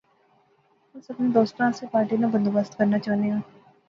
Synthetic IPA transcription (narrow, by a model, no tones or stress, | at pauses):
ɦɐ̃sɐbned̪oːst̪ɾãːsepaːɾʈinabɐ̃nd̪obəst̪kɐɾnat͡ʃaːneɡãː